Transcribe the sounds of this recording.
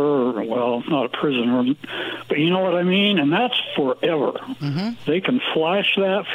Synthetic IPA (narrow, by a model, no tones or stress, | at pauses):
ə˞wɛlˠasnəɾəpʰɹ̥ɪzɨ̃nə˞b̥ʌt͡ʃjɨnoʊwʌɾaɪmĩnɨ̃nðætsfə˞ɛvə̰˞ðeɪkʰɨ̃nflæʃðɨtf